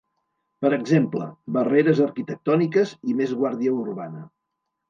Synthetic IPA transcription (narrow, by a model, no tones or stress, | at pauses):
pəɾəɡzemplə̰bəreɾəzəɾkit̪ək̚t̪ɔnikəzimezɣwaɾðiəuɾβanə